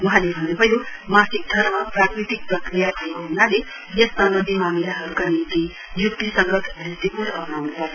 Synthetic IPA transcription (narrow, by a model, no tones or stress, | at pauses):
wʌɦãlebʱʌnːubʱʌjomasik̚d̪ʱʌɾmaprakɾit̪ik̚prʌkɾijabʱʌekoɦunale | jʌsːambʌd̪ʱjimamilaɦʌɾukanint̪i | jukt̪isʌŋɡʌt̪d̪ʱist̪ipuɾʌpnawnupʌɾ